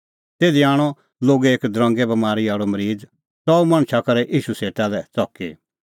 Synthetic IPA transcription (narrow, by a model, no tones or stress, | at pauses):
t̪eːd̪iaːɽ̃ɔ | loːɡeeːkd̪ɾɐ̃ŋɡɛbɐmaːɾiaːɽomɐɾiːd͡z | sɔumɐ̃ɽ̃t͡ʃʰakɐɾɛʔiːʃuseːʈalɛt͡sɔki